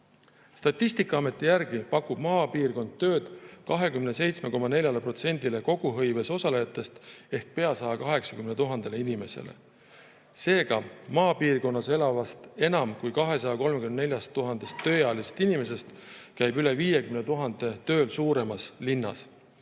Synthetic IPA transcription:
st̪ɑt̪ːist̪ikːˑɑɑme̞t̪ːˑijærɡ̥ipɑkːub̥mɑːpiːrko̞nd̪̥̚t̪ːø̞ːd̪̥kɑɦe̞kymne̞se̞jt̪sme̞ko̞mɑne̞lʲjɑlepro̞t̪se̞nʲd̪ile̞ko̞ɡ̥uɦɤ̞jve̞so̞sɑlejɑt̪ːˑe̞st̪e̞hk̚pe̞ɑsɑjɑkɑɦe̞ksɑ̥kymnet̪uɦɑnd̪̥e̞leinime̞se̞̰le̞̰ | se̞ːɡ̥ɑmɑːpiːrko̞nːɑse̞lɑvɑst̪e̞nɑmkujkɑɦe̞sɑjɑko̞lmekymnnelʲjɑst̪ːuɦɑnd̪̥e̞st̪ːø̞ːjɑːliset̪inime̞s̬e̞st̪kæjbyle̞viːje̞kymnet̪uɦɑnd̪̥e̞t̪ø̞ːlsuːɾe̞mɑslinːɑ̰s

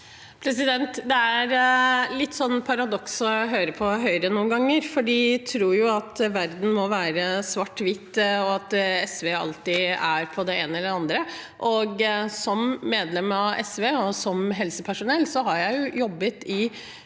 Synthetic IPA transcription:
pʰɾɛs̬ɪd̪ɛnt̪d̪ɛæɾlɪt̪ːsɔnːpʰɑɾɑd̪ɔksɔɦøːɾəpʰɔɦœʏɾənːuːnɡɑŋːəɾfɔɖit̪ʰɾuːɾjʊɑt̪ʋæɾd̪n̩mɔʋæːɾəsʋɑʈːʋɪt̪ːɔɑt̪ɛsʋeːɑ̰lt̪ɪæɾpʰɔd̪ɛeːnəɛlːəɑnd̪ɾəʔɔɡsɔmːeːd̪lɛmːɑɛsʋeːɔsɔmɦɛlsəpʰæʂʊnɛlːsɔɦɑɾjæɪjʊjɔbːət̪ɪ

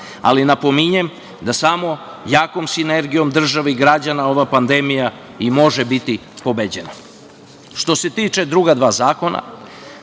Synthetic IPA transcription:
a̰linapo̞miɲem | d̪asamo̞ | jaːko̞msine̞ɾɡijo̞md̪r̩ʒaʋeiɡɾad͡ʑanao̞ʋapand̪e̞mija | imo̞ʒebit̪ipo̞bed͡ʑena | ʃt̪o̞se̞t̪iːt͡ʃe̞d̪ɾuɡad̪ʋaːzaːko̞na̰

